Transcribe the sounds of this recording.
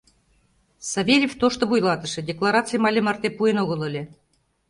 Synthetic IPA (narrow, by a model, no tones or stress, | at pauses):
sɑvʲelʲeft̪oʃt̪ŏβujlˠɑt̪ɤ̆ʃɘ̆dʲeklˠɑɾɑt͡sɨjmɑlʲemɑrt̪epuenoɣɤ̆lˠə̆lʲĕ